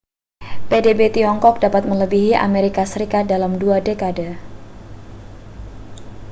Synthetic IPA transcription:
pedebet̪iɔŋkɔk̚dapat̪̚mələbiɦiʔa̰meɾikasəɾikat̪̚dalamduadekadə

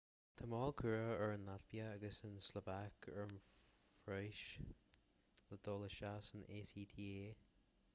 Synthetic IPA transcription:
t̪ʰəmɔːlˠkʰuɹəəɹənlatbiəːɡəsənslovakʰə̰ɹənfɹɔjʃ | ləd̪oːləʃasənʔeːsiːt̪ʰiːeː

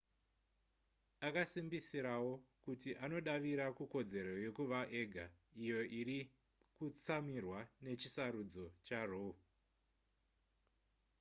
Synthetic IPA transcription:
akasimbisiɾawo̞kutiʔano̞ɗaʋiɾakuko̞d͡ze̞ɾo̞je̞kuʋaʔe̞ɡʱaijo̞ʔiɾi | kut͡samirwane̞t͡ʃisaɾud͡zo̞t͡ʃarou

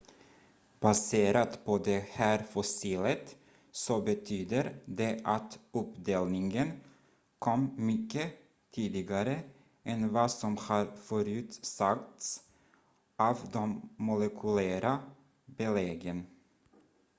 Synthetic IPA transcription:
b̥aseːɾat̪pʰɔd̪ɛhæːɾfɔsiːlət̪ | sɔbɛt̪ʰyːd̪əɾd̪ɛʔat̪ɵpd̪eːlnɪŋən | kʰɔmːmʏkːə | t̪ʰiːd̪ɪɡaɾə | ʔɛnvɑːsɔmhɑːɾfœɾʉ̟ːt̪sak̚t̪s | ʔɑːvd̪ɔmːʊlɛkʰʉlæːɾa | bɛleɡən

